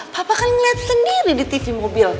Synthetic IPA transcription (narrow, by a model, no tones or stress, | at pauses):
papakalɲiat̪̚səndiɾidit̪ifimobɪl